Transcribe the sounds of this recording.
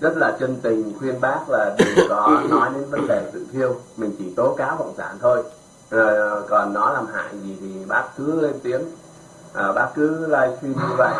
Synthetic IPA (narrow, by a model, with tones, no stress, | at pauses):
zə˦˥t̚laː˨˩t͡ɕə˧nt̪ï˨˩ŋ̟xwi˧ənɓaː˦˥k̚laː˨˩ɓi˨˩ŋkɔ˨˦nɔ˨˦jne˨˦nvə˨˦nɗe˨˩t̪ɨ̰˧˨t̪ʰi˧əwmï̟˨˩t͡ɕi˧˩t̪o˨˦kaː˨˦wkə̰˧˨wŋ͡msa̰ː˧˩nt̪ʰo˧j | kɔ˨˩nːɔ˨˦laː˨˩mha̰ː˧˨jzi˨˩t̪ʰi˨˩ɓaː˦˥k̚kɨ˨˦le˧nt̪i˨˦ən | ʔəː˨˩ɓaː˦˥k̚kɨ˨˦laː˧jsi˧nɨ˧və̰˧˨j